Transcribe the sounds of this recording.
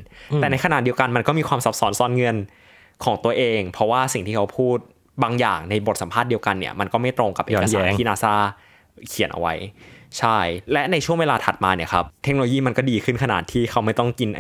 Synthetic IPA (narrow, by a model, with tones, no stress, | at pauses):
t̪ɛː˨˩na˧jkʰa˧na˨˩t̪̚i˧əwka˧nma˧nkɔː˥˩miː˧kʰwaː˧msa˦˥p̚sɔː˦˥nsɔː˨˥nŋɤ˧n | kʰɔː˩˦ŋt̪u˧ɐəʔeː˧ŋpʰɾɔ˦˥waː˥˩si˨˩ŋt̪ʰiː˥˩kʰa˦˥wpʰuː˥˩t̪̚ | baː˧ŋjaː˨˩ŋna˧jbo˨˩t̪̚sa˨˩˦pʰaː˥˩t̪̚di˧ə˧wka˧nːi˥˩ɐma˧nkɔː˥˩ma˥˩jt̪ɾo˧ŋka˨˩p̚ʔksːna˥kiː˥˧naː˧saː˥˩ | kʰi˨˩˦nʔa̰˧wa˦˥jt͡ɕʰa˥˩jlɛ˦˥ʔna˧jt͡ɕʰu˥˩əŋweː˧laː˧t̪ʰa˨˩t̪̚maː˧ni˥˩ɐkʰa˦˥p̚t̪ʰe˦˥no˧lo˧jiː˥˩ma˧nkɔː˥˩diː˧kʰɯ˥˩nkʰa˧na̰ː˨˩t̪ʰːiː˥˩kʰa˦˥wma˥˩jt̪ɔ˥˩ŋki˧nʔ